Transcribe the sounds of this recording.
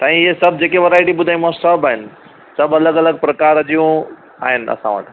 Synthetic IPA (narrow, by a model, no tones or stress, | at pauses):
t̪ãɦĩɦesɐb̚ʱd͡ʑeːkeʋɐɾaːɪʈibʊd̪ʱaːjũmãsɐbaːɦɪn̆ | sɐbɐləɡɐləɡ̚pɾɐkaːɾɐd͡ʑijũ | a̰ːɦɪnɐ̰sãʋə̰ʈ